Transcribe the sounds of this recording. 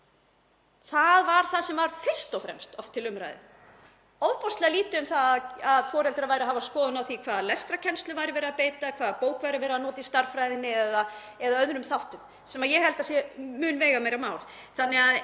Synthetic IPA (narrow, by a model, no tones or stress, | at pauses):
θaðvaɾ̥θaðsɛmvaɾ̥fɪ̥st̪ɔfɾɛ̰mst̪ɔft̪ʰːɪlʏmɾa̰jðɪ̰ | owvpɔst̪lɛɣaliːt̪ʏʏmθaaðfɔːɾɛlt̪ɪɾavajɾaɦavaskɔːðʏnawθikʰvaːðlɛst̪ɾacʰɛnst̪lʏvajɾɪvɛːɾapeːjt̪akʰvaːðpoːwkvajɾʏvɛːɾaðnɔːt̪ɪist̪aɾ̥fɾajðɪnːɪɛða | ɛðaœðɾʏmθawht̪ʏm | sɛmaðjɛhɛlt̪asjɛmʏːnvɛːɣameːjɾamaːwlθanːɛɣað